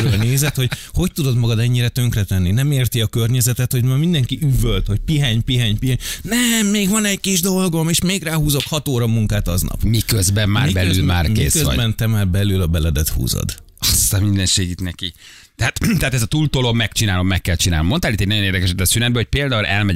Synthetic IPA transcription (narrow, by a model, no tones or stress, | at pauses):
ɾøːlneːzɛt̪ho̞cho̞ct̪ud̪o̞d̪mɒɡɒd̪ɛɲːiɾɛt̪ø̞ŋkrɛt̪ɛnːinɛmeːrt̪iɒkørɲɛzɛt̪ɛt̪ho̞ɟmaːmind̪ɛŋkiʔyvølt̪ho̞c̚piɦaːɲpiɦaːɲpiɦaɲnɛmːeːɡʋɒnɛɟkiʒd̪o̞lɡo̞meːʃmeːɡraːɦuːzo̞khɒt̪oːɾɒmuŋkaːt̪ɒznɒ̰pmikøzbɛmmaːribɛlzylma̰ːrkḛːskøʋ̰bɛnt̪ɛmaːrbɛlylɒbɛlɛd̪ɛt̪hṵːzo̰d̪ | ɒst̪ammind̪ɛnʃeːɡit̪nɛki | t̪ɛɦaːt̪t̪ɛɦaːt̪ɛzɒt̪uːlt̪olobmɛkt͡ʃinaːlo̞mːɛkːɛlt͡ʃinaːlomːont̪alit̪ːeɟ̚nɒjoneːrd̪ɛkɛʃɛd̪ːɛsynɛd̪bɛhoc̚peːld̪aːulʔɛ̰lmɛɟ